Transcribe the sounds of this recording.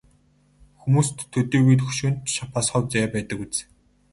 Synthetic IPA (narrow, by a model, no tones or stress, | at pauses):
xumuːst̪ʰːɵt̪iːwujt̪xɵ̥ʃuːnt̪ʃapaːsχɔwt͡sajaːpæːt̪ə̆kut͡s̆